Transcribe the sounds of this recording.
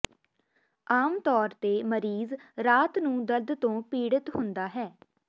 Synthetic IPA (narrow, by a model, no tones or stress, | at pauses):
aːmt̪ɔːɾt̪eːməɾiːzɾaːt̪nũːd̪əld̪t̪õːpiːɽət̪ɦʊnd̪aːɦɛː